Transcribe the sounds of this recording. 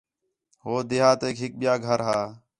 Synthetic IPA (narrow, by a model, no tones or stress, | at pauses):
ɦoːd̪eːɦaːt̪eːkɦɪk̚ɓɪjaːɡʱəɾɦaː